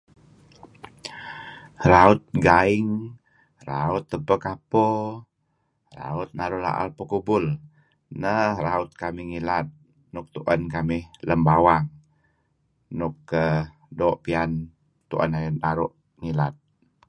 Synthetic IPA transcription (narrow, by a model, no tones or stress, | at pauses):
ɾaʊt̪̚ɡaɪŋ | ɾaʊt̪ːəpəkapo | ɾa̰ʊt̪̚naɾula̰ʔa̰lpəkubʊl | nəhɾaʊt̪̚kamiŋilat̪̚ | nʊk̚t̪uʔənkamɪhləmbawaŋ | nʊkːə | doʔpian | t̪uʔənajnaɾuʔ | ŋilat̪̚